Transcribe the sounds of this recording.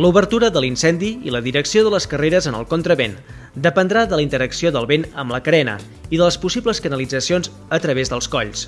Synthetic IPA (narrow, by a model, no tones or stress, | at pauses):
luβərt̪uɾəðəlinsɛnd̪iḭləðiɾəksioðələskəreɾəzənə̰lˠkont̪ɾəβen | d̪əpənd̪ɾaðələint̪əɾəksioðəlˠβenəmləkəɾɛnə̰ | iðələspusibləskənəlid͡zəsionz | ət̪ɾəβezðəlˠskɔʎs